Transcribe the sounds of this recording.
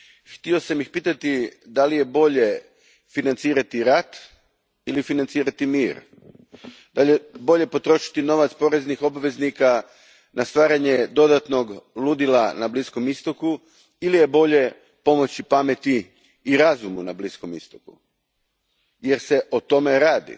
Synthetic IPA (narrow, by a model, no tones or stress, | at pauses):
xt̪io̞samixpiːt̪at̪id̪alije̞bo̞ʎe̞ | finant̪siːɾat̪iɾat̪ | ilifinant̪siːɾat̪imiːɾ | d̪aʎebo̞ʎe̞po̞t̪ɾo̞ʃi̥t̪ino̞ʋat̪spo̞ɾe̞znixo̞baʋe̞znika | nʔast̪ʋaːɾaɲed̪o̞d̪at̪no̞ɡlˠud̪ilˠanablisko̞mist̪o̞ku | ilije̞bo̞ʎe̞ | po̞mo̞t͡ɕipame̞t̪iː | ɾazumunablisko̞mist̪okṵ | jeɾse̞ʔo̞t̪o̞meɾaːd̪ḭ